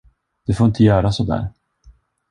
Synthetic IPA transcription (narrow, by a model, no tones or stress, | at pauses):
d̪̥ɛfoːɾɪnt̪əjœːɾasɔd̪æ̰ːɾ